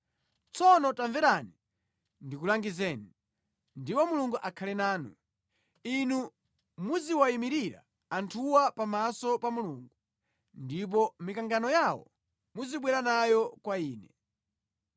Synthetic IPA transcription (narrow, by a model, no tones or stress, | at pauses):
t͡sɔnɔtaɱvɛɾani | ndikulaŋɡizɛːni | ndipɔmuluŋɡuʔakʰalɛnaːnṵ | inu | muziwaimiɾiɾa̰ | antʰuwapamasɔpamuluŋɡu | ndip̬ɔmikaŋɡanɔjawɔ̰ | muziɓwɛɾanajɔkwaiːnɛ